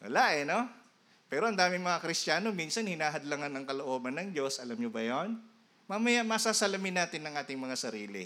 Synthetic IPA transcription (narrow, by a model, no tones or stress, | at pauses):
wɐ̰laʔɛno̞ | pɛːɾoɐnd̪aːmɪŋmɐŋakɾɪst͡ʃaːno̞miːnsɐnhɪnaːɦɐd̪laŋɐnɐŋkɐloʔoːbɐnːɐŋd͡ʒo̞sʔɐlamɲobɐjon | maːmɐjaʔmɐsasɐlɐmɪnːaːt̪ɪnːɐŋʔaːt̪ɪŋmɐŋasɐɾiːlɪ̰